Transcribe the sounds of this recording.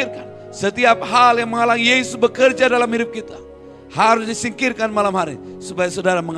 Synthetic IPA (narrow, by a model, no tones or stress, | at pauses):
rkan | sət̪iap̚ɦaljaŋməŋalaŋjesʊsbəkərd͡ʒadalamiɾʊp̚kit̪a | haɾʊsdisiŋkirkanmalamɦaɾi | supajasadaɾaməŋ